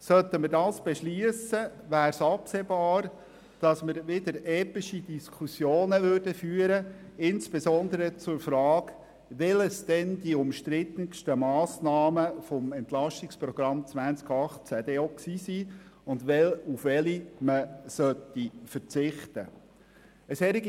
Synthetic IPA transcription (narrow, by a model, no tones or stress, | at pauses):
sœt̪əmədɑːsb̥ɛʃliəsəʋæːɾsɑpseːbɑːɾ | d̥ɑsməɾʋɪd̪əɾɛːpiʃid̥iskʰusjoːnəʋørd̥əfyːəɾəɪnsb̥esɔnd̪əɾət͡sʊɾfɾɑːk | ʋɪləsd̥̪ɛnd̥iʊmʃtɾɪt̪ənʃtəmɑːsnɑːməfɔmɛnt̪lɑʃtikspɾɔɡ̥ɾɑmt͡sʋænt͡skɑχt͡sæd̪eoksiːsiʊndʋɛlufʋɛliməsœt̪ːifəɾt͡sɪχt̪ə | əsɛɾiɡ